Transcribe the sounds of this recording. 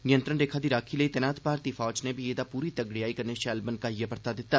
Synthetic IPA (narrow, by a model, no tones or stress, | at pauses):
nɪjənt̪ɾənɾeːkʰaːd̪iːɾaːkʰiːləiːt̪ɛnaːt̪ʰbaːɾt̪iːfʰɔːd͡ʒneːbʱieːd̪aːpuːɾiːt̪əɡɽiaːikɐɾneːʃɛːlbənkaːijapəɾt̪aːd̪ɪt̪ːaː